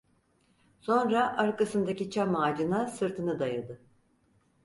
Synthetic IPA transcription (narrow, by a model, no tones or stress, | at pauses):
so̞nɾaʔaɾkasɯnd̪acit͡ʃʰamaːd͡ʒɯnasɯɾt̪ʰɯnɯd̪ajad̪ɯ